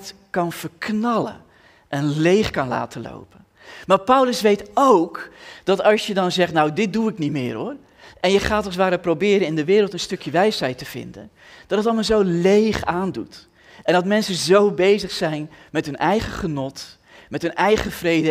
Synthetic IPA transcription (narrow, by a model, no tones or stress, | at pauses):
tkɑnv̥əɹknɑlə̰ | ʔɛnlejχkɑnla̰ːtəlo̰wpən | maːɹpʌwləsʋejtowkd̥ɑtɑlˠsjədɑnzɛχtnawdɪt̚duɪknitmɪ̰ːɹɦʊːr | ʔɛnjəχaːtɔsʋaːɾəprowbɪːɾənɪndəʋɪːɾəlˠtənstɵkjəʋɛjsɦɛjtəv̥ɪ̰ndə̰n | d̥ɑt̚ətɑlˠmazowlejχaːndut | ʔɛ̃ndɑtmɛnsənzowbejzəχsɛjnmɛtɦɵnʔɛjχəχənɔt | mɛtɦɵnʔɛjχəv̥rejdə